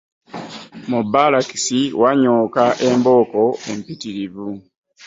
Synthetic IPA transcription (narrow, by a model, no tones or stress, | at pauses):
mubalaki̥siwaɲoːkaʔe̞mbo̞ːko̞e̞mpitiɾiβu